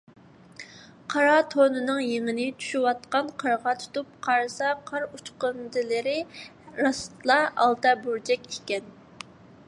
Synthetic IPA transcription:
qʰɑɾɑt̪ʰonɨnɨŋjeŋɪnɪt͡ʃʰu̥ʃuwɑt̪qɑnqʰəɾʁɑt̪ʰu̥t̪up̚qʰɑɾsɑqʰɑɾut͡ʃqənd̪ɨlɨɾɪ | ɾɑst̪lˠɑʔɑ̰lˠt̪ɑbuɾd͡ʒɛkʲikʲɛn

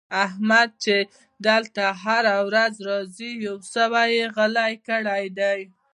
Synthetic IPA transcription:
ahmad̪̚t͡ʃe | d̪əlt̪aɦaɾawɾazɾɑzijawsəwajeɣalajkəɽajd̪aj

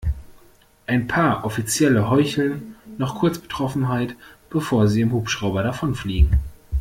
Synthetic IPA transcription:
ʔaɪnpʰaːɐʔɔfit͡sjɛləɦɔʏçl̩nːɔχkʰʊɐt͡sb̥ə̥tʁ̥ɔfn̩ɦaɪtb̥əfoːɐziːɪmhuːpʃʁ̥aʊbɐɾafɔnfliːɡŋ̩

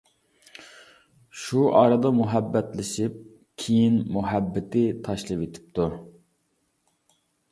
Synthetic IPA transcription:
ʃuʔɑːɾɨd̪ɑmuɦɛbːɛt̪lɪʃip̚ | kʲʰijinmuɦɛbːɪt̪ʰɪt̪ʰɑʃlˠɨvet̪ʰɪ̥p̚t̪ʰu

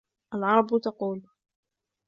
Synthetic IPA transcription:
ʔalʕɑɾˤɑbt̪ɑquːl

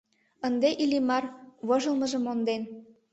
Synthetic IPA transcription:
ənd̪eʔilʲimɑrβoʒəlˠmɤ̆ʒə̆mond̪en

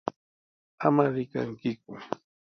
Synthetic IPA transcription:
amaɾɪka̰ŋkɪkʊ

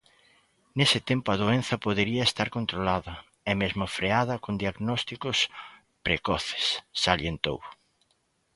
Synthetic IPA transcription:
nesɪt̪empoɐðoẽn̟θɐpoðeɾiɐest̪aɾkont̪ɾolaðɐ | ɛmezmʊfɾeaðɐkond̪iaɣnɔst̪ikʊs | pɾekɔθe̥sːaljent̪o̰w

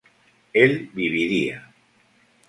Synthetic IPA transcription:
elβiβ̞iɾia

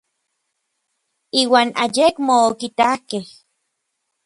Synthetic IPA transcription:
iːwaːnajekmoːkit̪ahkeh

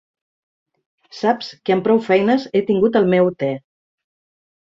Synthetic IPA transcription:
sapskəəmpɾɔwfɛjnəzet̪iŋɡut̪əlˠmɛwt̪ɛ

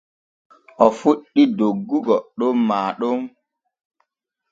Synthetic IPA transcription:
ʔɔfuɗːidoɡːuɡɔɗɔmːaːɗɔm

